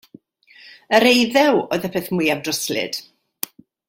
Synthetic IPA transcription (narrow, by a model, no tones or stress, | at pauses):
əɾejðɛwoɨðəpʰɨθmujavdrɔslɪ̰d̥